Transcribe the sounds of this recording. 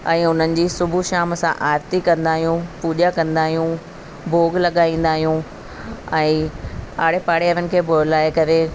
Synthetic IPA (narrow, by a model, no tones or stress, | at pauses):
ɛ̃ːʊn̤ənɪ̆d͡ʑiːsʊbʱuʃaːmsãʔaːɾt̪ikɐ̃nd̪aːɦijũpuːʄakɐ̃nd̪aːɦijũ | bʱoːɡlɐɠaːĩːn̆d̪aːɦijũ | ɛ̃ːaːɽ̤epaːɽeəɾənɪ̆kʰeːbʱolaːekɐɾe